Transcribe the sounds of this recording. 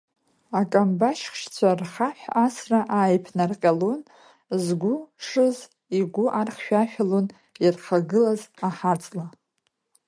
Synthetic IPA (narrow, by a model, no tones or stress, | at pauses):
akʼambaʃχʃt͡sʷʰarχaħʷasraʔaːjpʰnarqʲʼalon | zɡʷʊʂɨz | iɡʷʊʔarχʃᶣaʃᶣalon | irχaɡɨlazaħat͡sʼla